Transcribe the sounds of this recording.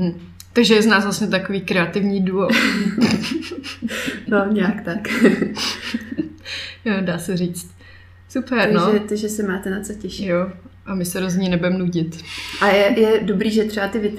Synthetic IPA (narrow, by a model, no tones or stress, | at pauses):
ɦm̩ | t̪aɡʒɛjɛznaːzvlasɲɛt̪akoviːkɾɛat̪ɪvɲiːduo | noɲɛakt̪ak | jodaːsɛriːt͡st̪ | supɛɾnoɛt̪oʒɛsɛmaːt̪ɛnat͡socɛʃjoʔamɪsɛɾozɲiːnɛbujɛmnuɟɪt̪ʔajɛjɛdobɾiːʒɛt̪r̥ɛbat̪ɪvɪt̪